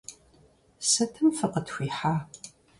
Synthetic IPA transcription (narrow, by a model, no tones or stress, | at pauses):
sɐtʰɨmfɨqətxʷiːħaː